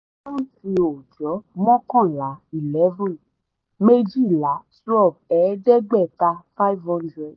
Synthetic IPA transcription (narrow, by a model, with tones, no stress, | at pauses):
ɔ̃˦ti˧o˨d͡ʒɔ˨˦mɔ̃˦kɔ̃˦˨la˨˦i˨lɛ˨˦vɔ̃˦˨n | me˦d͡ʒi˦˨la˨˦su˦ɔ˦˨b̚ɛ˨˦dɛ˦ɡ͡bɛ˦˨ta˧fa˦vhɔ̃˦ndɾɛ˨d